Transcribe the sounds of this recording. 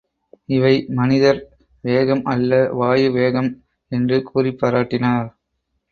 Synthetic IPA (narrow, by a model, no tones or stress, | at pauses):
ɪʋɐɪmɐnɪðɐɾ | ʋeːɣɐmʔɐlːɐʋaːjɯʋeːɣɐm | ɛndrɯkʰuːrɪpːɐɾaːʈːɪnaːɾ